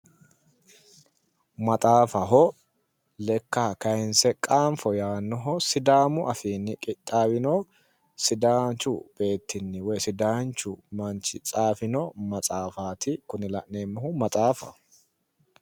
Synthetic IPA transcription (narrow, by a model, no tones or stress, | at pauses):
mɐt̪ʼaːfɐɦɔ | lɛkːakɐjɪnsɛkʼaːɱfɔjaːnːɔɦɔsɪd̪aːmʊʔɐfiːnːɪkʼɪt̪ʼːaːwɪnɔ | sɪd̪aːnt͡ʃʊb̥e̞ːt̪ːɪnːɪwɔjsɪd̪aːnt͡ʃʊmɐnt͡ʃɪ̰t͡sʼaːfɪnɔmɐt͡sʼaːfaːt̪ɪkʊnɪlɐʔneːmːɐhʊmɐt̪ʼaːfɐ̰h